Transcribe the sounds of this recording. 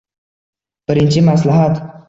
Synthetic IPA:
pəɾint͡ʃimaslaɦat̪

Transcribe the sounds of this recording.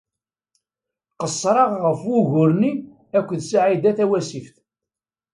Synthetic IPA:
qəsːɾˤɑʁʁəfwʊʝʊɾni | ækʷːðsaʕid̪æθæwæsifθ

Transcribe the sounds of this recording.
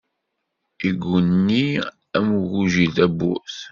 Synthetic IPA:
iɡʷunːi | æmɣuʒiðæbːṵθ

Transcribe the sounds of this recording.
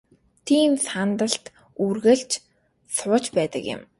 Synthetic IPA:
t̪ʰiːmsant̪ə̆ɬt̪ | urɣɘ̆ɬt͡ɕ | sʊːt͡ɕpæːt̪ə̆kɪ̰̆m

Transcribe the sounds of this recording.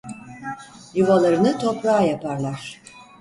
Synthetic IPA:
juvalˠaɾɯnɯt̪ʰo̞pɾaːjapaɾlˠaɾ̥

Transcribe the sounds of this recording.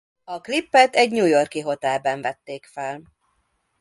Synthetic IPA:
ɒklipːɛt̪ɛɟɲuːjo̞rkiɦo̞t̪ɛlbɛɱvɛt̪ːeːkfɛl

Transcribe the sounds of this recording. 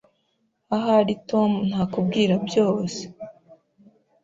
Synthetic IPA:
aɦaɾito̞mn̥haːkub̚ɡiːɾabjo̞ːse̥

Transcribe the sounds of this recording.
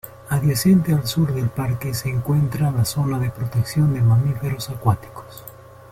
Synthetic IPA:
aðjase̞nt̪ealsuɾðe̞lpaɾke̞seːŋkwe̞nt̪ɾalaso̞naðe̞pɾot̪e̞ksjo̞nd̪e̞mamife̞ɾo̞sakwat̪i̥ko̥s

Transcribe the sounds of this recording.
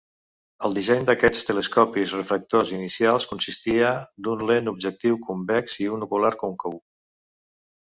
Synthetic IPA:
əlˠd̪izɛɲd̪əkɛt͡st̪ələskɔpizrəfɾək̚t̪ozinisialˠskunsist̪iəd̪unlenub̚ʒək̚t̪iwkʰumbɛkziunukulaɾkoŋkəu

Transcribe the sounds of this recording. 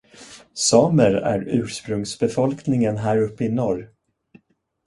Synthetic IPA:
sɑːməɾæ̰ɾʉ̟ːʂpɾɵŋsbɛfɔlknɪŋənɦæːɾɵpːəɪnɔɾ

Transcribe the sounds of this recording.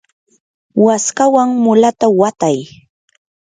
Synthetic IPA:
waskawaŋmʊlat̪awat̪aj

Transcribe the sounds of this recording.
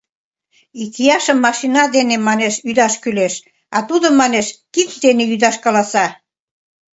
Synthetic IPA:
ikijɑʃəmːɑʃinɑd̪enemɑneʃyd̪ɑʃkyleʃ | ɑt̪ud̪ŏmɑneʃkit͡sd̪eneyd̪ɑʃkɑlɑsɑ

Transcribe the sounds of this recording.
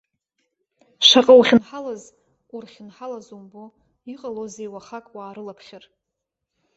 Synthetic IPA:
ʃʷaqʼawχʲɪnħalaz | urχʲɪnħalazumbo | iqʼalozejwaχakʼwaːɾɨlapʰχʲɪr

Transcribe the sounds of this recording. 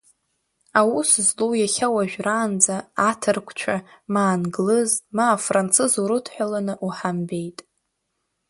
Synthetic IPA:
awuszlowjaχʲawaʒᶣraːnd͡zaːtʰɨrkʷʰt͡ʃʷʰamaːnɡlɨzmaːfrant͡sʰɨzuɾɨtʰħʷᶣalanɨʔuħambe̞jtʼ

